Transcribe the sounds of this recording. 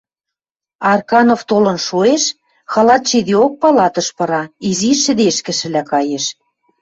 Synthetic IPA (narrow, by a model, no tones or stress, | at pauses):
ɑrkɑnoft̪olɤ̆nʃoeʃ | xɑlɑt̪ʃid̪eok̚pɑlɑt̪ɤ̆ʃpɤ̆ɾɑiziʃɘ̆d̪eʃkɘ̆ʃɘ̆lækɑjeʃ